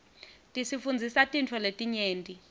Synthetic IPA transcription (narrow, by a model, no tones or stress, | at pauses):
tʼisifund͡zʱisatʼint͡fʰɔletʼiɲeːntʼi